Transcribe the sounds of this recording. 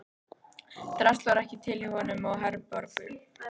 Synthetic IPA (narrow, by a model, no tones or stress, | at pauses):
t̪ɾɛst̪lvaɾɛhcɪt̪ʰɪlɪhɔnʏmaɣɦɛɾpɔɾkʏ